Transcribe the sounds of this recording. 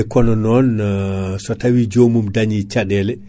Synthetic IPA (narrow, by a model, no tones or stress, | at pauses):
kɔnɔnɔn | sɔtawid͡ʒomumdaɲit͡ʃaɗɛlɛ